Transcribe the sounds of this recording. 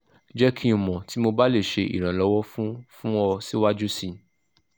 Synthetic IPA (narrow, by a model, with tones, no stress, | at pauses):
d͡ʒɛ˦kʰi˦˨mɔ̃˨ti˦mo˧ba˦le˦˨ʃe˧ʔḭ˨ɾ̃ã˨lɔ˨˧wɔ˦fũ˦fũ˦ɔ˧si˦wa˦d͡ʒu˦sĩ˦˧